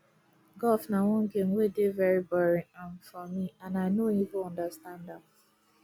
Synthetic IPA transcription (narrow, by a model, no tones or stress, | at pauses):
ɡɔfnawɔ̃nɡemwedevɛɹibɔɹĩãmfɔmiãnaɪnoivʊ̃ɔ̃ndastãndãm